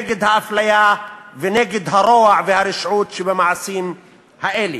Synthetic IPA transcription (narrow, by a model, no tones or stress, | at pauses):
eɡɪd̪haʔaflajaːvɪneːɡɪd̪ɦaɾˤoːʕvɪhaɾɪʃʕuːt̪ʃibamaʕsiːm | haʔeːli